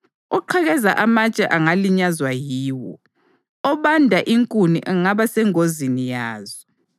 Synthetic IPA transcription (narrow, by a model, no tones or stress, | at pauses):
ɔǃʰaɣɛzaʔamat͡ʃʼɛʔaŋaliɲazwajiːwɔ̰ | ɔβandʱaʔiŋkʼuniʔɛŋaβasɛŋozinijaːzɔ